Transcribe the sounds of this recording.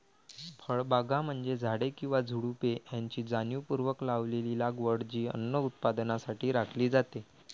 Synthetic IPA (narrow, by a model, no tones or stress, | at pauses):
fʰəɭbaɡam̤əɳd͡zed͡zʱaɽekĩw̃ʋad͡zʱuɽupejaɲt͡ɕiːd͡zanjupuɾʋəklaʋlelilaɡʋəɽd͡ʑiːə̰nːəut̪̚pad̪nasaʈʰiːɾakʰliːd͡zat̪e